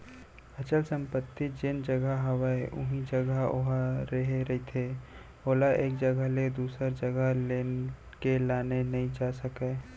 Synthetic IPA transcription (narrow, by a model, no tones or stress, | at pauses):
ɐt͡ʃəlsə̃mpət̪ːid͡ʒɪnd͡ʒəɡəɦɐwaeʔʊ̰ɦĩd͡ʒəɡəʊ̰ɦaɾeɦeɾɐɦit̪ʰeː | oːlaʔeːk̚d͡ʒəɡəled̪uːsəɾd͡ʒəɡəleːn | kelaːnenɐɦĩd͡ʒaːsəkeː